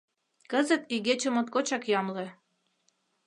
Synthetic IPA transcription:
kə̆zə̆t̪iɣet͡ɕə̆mŏt̪̚kot͡ɕɑkjɑmlĕ

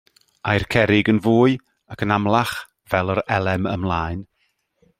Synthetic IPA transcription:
ajrkʰɛɾɪɡənvuːɨ | akʰənamlˠaχ | vɛlˠəɾɛlˠɛmə̰mlˠaːɨn

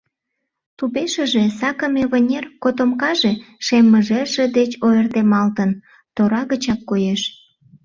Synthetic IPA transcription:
t̪upeʃə̆ʒesɑkə̆meβənʲerkot̪omkɑʒeʃemːəʒeʒed̪et͡ɕoert̪emɑlt̪ən | t̪oɾɑɣət͡ɕɑkːojeʃ

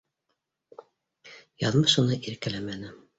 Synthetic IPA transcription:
jɑðmɤʃunɤʔiɾkælæmænɘ

